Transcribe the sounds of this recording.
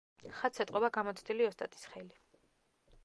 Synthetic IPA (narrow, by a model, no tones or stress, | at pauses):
χat̪sʰɛt̪ʼqʼɔbaɡamɔt̪sʰd̪iliɔst̪ʼa̰t̪ʼi̥sχɛli